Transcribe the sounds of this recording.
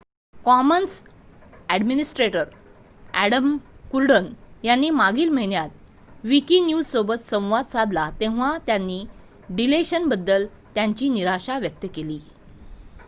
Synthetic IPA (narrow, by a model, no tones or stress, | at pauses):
kɔməns | æɖminisʈɾeʈəɾ | æɽəmkuɾɖənjanːiːmaɡiːlm̤eɳjat̪̚ | ʋikinjud͡zsobət̪sə̃w̃ʋad̪sad̪lat̪ẽʋat̪janːiː | ɖileɕənbəd̪ːəl | t̪jãɲt͡ɕiːniɾaɕaʋjək̚t̪əkeliː